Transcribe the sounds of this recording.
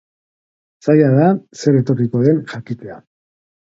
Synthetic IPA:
sajaðase̞ɾe̞t̪o̞riko̞ðe̞nʝakit͡s̪e̞a

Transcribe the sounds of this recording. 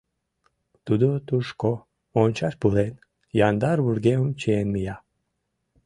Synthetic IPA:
t̪ud̪ut̪uʃko | onʲt͡ʃaʃpulen | jand̪aɾβuɾɡeumt͡ʃienmija

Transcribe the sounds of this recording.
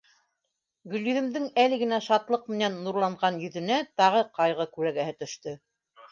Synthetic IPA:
ɡɵ̆lʲjyðɘ̆md̪ɘŋælɘ̆ɡɘ̆næʃɑt̪lˠɤq̚mɘ̆nænːuɾlˠɑɴʁɑnjɵ̆ðɵ̆næt̪ɑʁɤqɑjʁɤkʉɾæɡæhɘt̪ɵ̆ʃt̪ɵ

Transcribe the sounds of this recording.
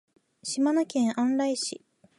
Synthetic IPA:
ɕimanokʲẽ̞ɰ̃ʔãnɾaiɕi

